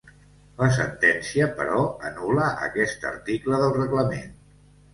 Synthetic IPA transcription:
ləs̬ənt̪ɛnsiəpəɾɔənuləʔə̰kɛst̪ə̰ɾt̪ikləðəlˠrəɣləmḛn

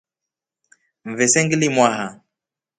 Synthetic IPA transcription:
ɱ̩vɛsɛŋɡilimwaha

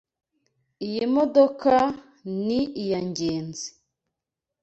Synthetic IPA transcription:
ijimodoka | niijaɲɟeːnzi̥

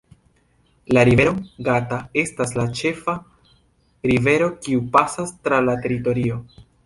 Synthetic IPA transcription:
laɾiveɾoɡatae̞staslat͡ʃe̞fa | ɾive̞ɾo̞kiupasastɾalate̞ɾito̞ɾio̞

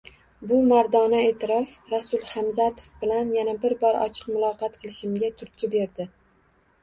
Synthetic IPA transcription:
bʊmaɾd̪ɒnae̞t̪ʰɪɾɒfɾasʊlˠχamzat̪ʰofbɪlanjanabɪɾbɒɾɒ̰t͡ʃʰɨ̥qmʊlˠɒqʰɑt̪qʰɨlˠɪʃɪmɡʲat̪ʰʊɾt̪̚kʲʰɪbe̞ɾd̪ɪ

